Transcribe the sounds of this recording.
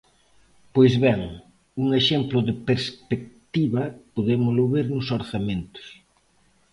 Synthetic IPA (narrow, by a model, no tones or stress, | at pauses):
pojzβɛŋ | uŋeʃemplʊðɪpeɾspek̚t̪iβɐpoðemʊlʊβeɾnʊsoɾθamẽnt̪ʊ̥s